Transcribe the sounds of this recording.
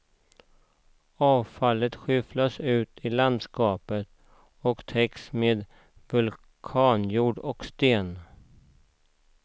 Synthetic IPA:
ɑːvfalːət̪ɧʏflasʉ̟ːt̪ʰɪland̪skɑːpət̪ | ɔkt̪ʰɛksmeːd̪ | vɵl | kʰɑːnjuːɖɔkst̪eːn

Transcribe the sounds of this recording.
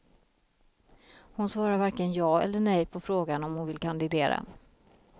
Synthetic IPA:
hʊnsvɑːɾaɾvaɾkənjɑːɛ̰lːəɳɛjpʰɔfɾoːɡanɔmhʊnvɪlkʰand̪ɪd̪eːɾa̰

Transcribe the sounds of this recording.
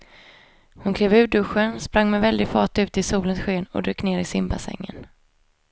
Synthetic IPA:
hʊnkʰleːvʉ̟ːɖɵɧənspɾaŋːmɛvɛld̪ɪɡfɑːʈ̪ʉ̟ːt̪əɪsuːlənsɧeːnɔ̰d̪ɾøːkːneːɾɪsɪmba̰sɛ̰ŋːə̰n

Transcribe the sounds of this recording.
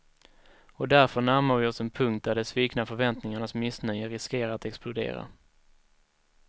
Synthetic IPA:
ɔd̪æɾfœɳæɾmaɾvɪɔsɛnpʰɵŋkt̪̚d̪æɖɛsviːknafœɾvɛnt̪nɪŋaɳasmɪsnœjəɾɪskeːɾaat̪ɛksplʊd̪ḛːɾa̰

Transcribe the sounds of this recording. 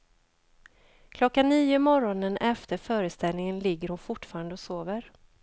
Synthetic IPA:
kʰlɔkːanːiːʊmɔɾɔnənʔɛft̪ʰəɾfœːɾəst̪ɛlnɪŋənlɪɡːəɾhʊnfʊʈːfɑːɾand̪əɔsoːvəɾ

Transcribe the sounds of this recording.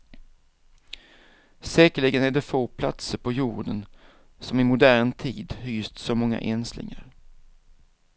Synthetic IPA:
sɛːkəɭɪɡənæɖɛfoːpʰla̰t̪səɾpʰɔjuːɖən | sɔmɪmʊd̪æːɳt̪ʰiːd̪hyːst̪sɔmɔŋːa̰ʔɛnslɪ̰ŋa̰ɾ

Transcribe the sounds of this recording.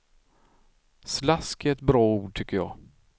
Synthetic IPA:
slaskɪɛt̪bɾɑːuːɖ̚ʈʰʏkːəjɑ̰ː

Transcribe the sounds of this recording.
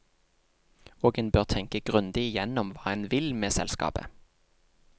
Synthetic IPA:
oːɡənbøːʁt̪ʰɛŋkəɡ̥ʁʉnd̪ɪɪjɛnɔmʋɑːɛnʋɪlmeːsɛ̰lskɑ̰ːpə̰

